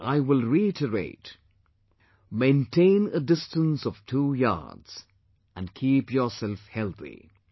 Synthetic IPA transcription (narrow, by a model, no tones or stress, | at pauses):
ʔaɪwɪlˠɹiɪtəɹḛɪt | mẽɪ̃ntʰẽɪ̃nədɪstə̃nsɔv̥tʰujɑ̰ɹdz̥ | æ̃nkʰiːpjɔsɛlˠfhɛlˠθḭ